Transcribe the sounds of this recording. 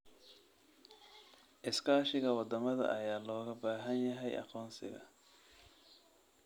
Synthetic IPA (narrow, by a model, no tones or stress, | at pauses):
ʔɪskʰaːʃɪɣɐwɑd̪ɐmɐðɐ̰ʔɐjaːlɔːɣɐbaːɦɐnjɐɦɛjʔɑ̰qɔːnsɪ̰ɣɐ̰